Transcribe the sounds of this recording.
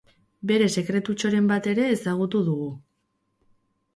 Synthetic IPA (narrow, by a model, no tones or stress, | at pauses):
be̞ɾe̞se̞kɾe̞t̪ut͡ʃo̞ɾe̞mbat̪e̞ɾe̞ːsaɣ̞ut̪uðuɣu